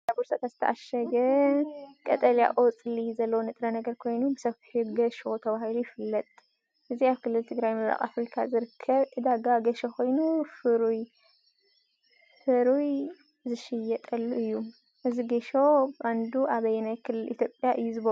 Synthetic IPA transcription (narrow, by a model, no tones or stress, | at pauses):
abuɾsɐk̪ʰʼazɨ̥t̪ʰɐʔaʃɐɡɐ | kʼɐt̪ʼɐlja̰ʔot͡sʼɨlizɐlːɐwonɨt̪ʼɾɐnɐɡɐɾkʰo̞jnubɨsɐfhuɡɐʃo̞t̪ʰɐβahɨlujɪfɨlːɐt̪ʼ | ʔɨziaβkʰɨlːɨlt̪ʰɨɡɾajmɨβɾa̰kʼa̰fɾikʰa̰zɨɾɨkʰːɐβʔɨd̪aɡaɡɐʃɛkʰo̞jnufɨɾuj | fɨɾuj | zɨʃɪjɛt̪ʼɐlːuʔɨjːu | ʔɨziɡɐʃobʔand̪uʔaβɐjnajkʰɨlːɨlʔḭt̪ʰjo̞pʼjaʔɨjːuzɨβɐ